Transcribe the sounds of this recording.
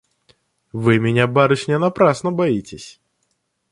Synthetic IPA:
vɨmʲɪnʲabaɾʊʃʲnʲɛnɐpɾasnəbɐitʲɪsʲ

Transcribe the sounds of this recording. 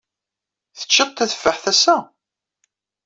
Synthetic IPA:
θə̥t͡ʃːət̪ˤt̪ːæθə̥fːəħθæsæ

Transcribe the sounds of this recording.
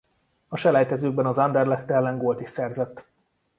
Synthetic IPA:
ɒʃɛlɛjt̪ɛzøːɡ̚bɛnɒzand̪ɛrlɛkt̪ːɛlɛŋɡoːlt̪iʃsɛrzɛt̪ː

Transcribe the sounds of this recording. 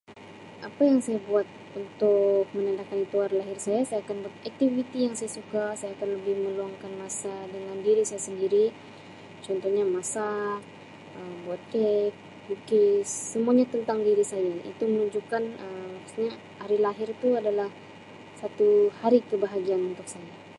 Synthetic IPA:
ʔapajaŋsajabuat̪̚ | unt̪ʊk̚mənandakanit̪uarlaɦɪrsajasajaːkanbuat̪̚ɛk̚t̪ivit̪ijaŋsajasukasajaːkanləbɪhmə̃luaŋkanmasadəŋandiɾisajasəndiɾi | t͡ʃɔnt̪ɔhɲamasa | əmbuat̪̚kɛk̚ | bukissəmuaɲat̪ənt̪aŋdiɾisajaḭt̪umənuɲd͡ʒukanəapḁst̪ɲa | aɾilaɦɪrt̪uadalah | sat̪uhaɾikəbaɦaɡianunt̪ʊk̚saja

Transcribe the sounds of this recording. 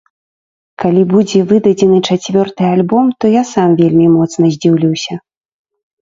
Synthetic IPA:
kalʲibud͡zʲɛvɨd̪ɐd͡zʲɛnɨt͡ʂat͡sʲvʲɔrt̪ɨalʲbɔmt̪ɔjasamvʲelʲmʲimɔt̪snɐzʲd͡zʲiwlʲiwsʲɐ

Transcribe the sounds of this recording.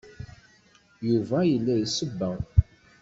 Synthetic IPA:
juvæjəlːæjəsəbːəʁ

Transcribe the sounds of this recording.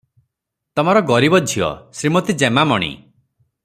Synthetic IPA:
t̪ɔmaɾɔɡɔɾibɔd͡ʒʱiɔ̰sɾimot̪id͡ʒemamɔɽ̃ḭ

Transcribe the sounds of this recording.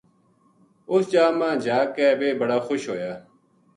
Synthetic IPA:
ʊst͡ʃaːmãːd͡ʒaːkɛːʋeːbəɽaːxʊʃɦoːjaː

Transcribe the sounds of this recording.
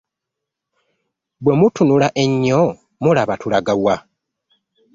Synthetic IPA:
bwemutunulaʔe̞ɲːo | mulaβatulaɡawa

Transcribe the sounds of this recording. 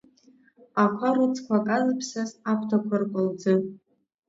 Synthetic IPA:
aχʷaɾɨt͡sʰkʷʰakʼazɨpʰsazakʷʰtʰakʷʰarkʷʼʊld͡zɨ

